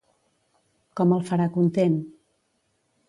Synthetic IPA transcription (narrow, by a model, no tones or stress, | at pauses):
kɔməlˠfəɾakunt̪en